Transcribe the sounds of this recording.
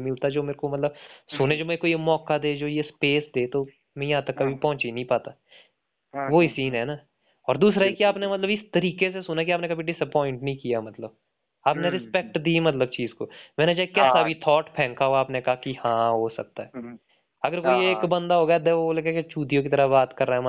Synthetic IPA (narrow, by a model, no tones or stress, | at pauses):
mɪlt̪ad͡ʒoːmeːɾkomɐt̪ləbsʊned͡ʒoːmekoːimɔːkad̪eːd͡ʒoːjespeːsd̪eːt̪o | mɛ̃jɐɦãt̪ɐkːɐbʱipɐɦʊ̃t͡ʃinə̃ɦĩpaːt̪aː | ʋoɪsiːnɦɛːnaː | ɔːɾd̪uːsɾaɦikiaːpnemɐt̪ləbɪst̪ɐɾiːkesesʊnak̬iaːpnekɐbʱiɖɪsəpɔːɪ̃ɳʈnɐĩkijamɐt̪ləb | aːpneɾɪspɛk̚ʈd̪iːmɐt̪ləb̚t͡ʃiːzkomɛ̃ːned͡ʒaːɦekɛːsabʱit̪ʰɔːʈpʰɛ̃ːŋkaɦoaːpnekɐaɦakihãːɦosɐk̚t̪aɦɛː | ɐɡəɾkoːieːkbɐ̃nd̪aɦoːɡajad̪eolekeket͡ʃuːd̪ijõk̬it̪ɐɾəbaːt̪kɐɾːaɦɛm